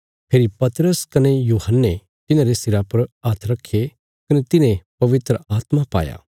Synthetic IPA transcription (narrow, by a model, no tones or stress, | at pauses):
pʰeːɾipɐt̪ɾəskɐnejuːhənːe | t̪ɪnãːɾesɪɾapɐɾaːt̪ʰɾɐkʰːe | kɐnet̪ɪnẽpɐʋɪt̪ɾəaːt̪mapa̰ːja̰ː